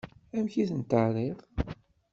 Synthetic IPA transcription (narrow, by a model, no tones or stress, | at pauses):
æmçiθənt̪ərˤið